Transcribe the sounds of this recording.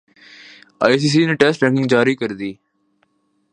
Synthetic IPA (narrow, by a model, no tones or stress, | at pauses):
a̰ːjs̬iːs̬iːneːʈɛːsʈʈɾɛ̃ŋkɪ̃ŋɡd͡ʒaːɾiːkəɾd̪iː